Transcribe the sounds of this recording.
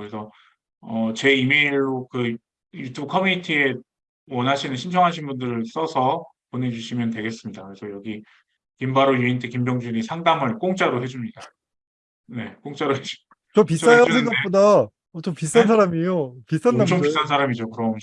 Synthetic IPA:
ɯɾesʰʌ | ʌt͡ɕe̞ime̞iɭːokɯ | jutʰubɯkʰʌmuɲitʰie | wʌnɦaɕʰinɯnɕʰint͡ɕʰʌŋɦaɕ̬ʰinbundɯɾɯɭs͈ʌsʰʌpone̞d͡ʑuɕʰimjʌntwe̞ɡe̞s͈ɯmɲidakɯɾe̞sʰʌjʌɡi | kimbaɾojuintʰekimbjʌŋd͡ʑunisʰaŋdamɯɭk͈oŋt͡ɕ͈aɾoɦe̞d͡ʑumɲida | ne̞k͈oŋt͡ɕ͈aɾoɦed͡ʑuidat͡ɕʌpiajadinɡʌp͈oda | ʌt͡ɕʌpis͈ansʰaɾamijopis͈annːaopis͈ansʰaɾamid͡ʑokɯɾʌm

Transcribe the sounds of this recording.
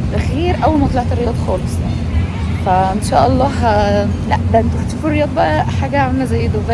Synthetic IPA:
elxiːɾʔæwːælmɑt̪ˤlɑʕt̪erːejɑːd̪ˤxɑːlesˤjani | fæʔenʃæ̰ːʔɑlˤːɑːɦælæʔb̪ænt̪oħt̪æfurːejɑːd̪ˤbæʔæħaːɡæʕemːæzæjːed̪ovæ

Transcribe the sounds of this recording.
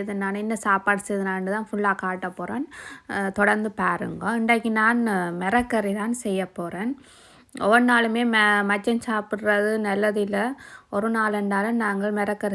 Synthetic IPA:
ðɯnːaːnɪnːɐsaːpaːɽɯsɐðɯnaːɳɖɯt̪ãːnfʊɭːaːkaːʈːɐpːoːɾeːnt̪ɔɽɐɾnd̪ɯpaːɾɯ̰ŋɡɐ̃ɪɳɖaːkːinaːnmɛɾɐkːɐɾit̪aːnsɛjːɐpːoːɾeːn | ɔʋɐnaːlɯmeːmɐt͡ʃːɐnsaːpɯʈɾɐðɯnɛlːɐðɪlːɐɔɾɯnaːlɛɳɖaːlɯnaːŋɡɐɭmɛɾɐkːɐɾi

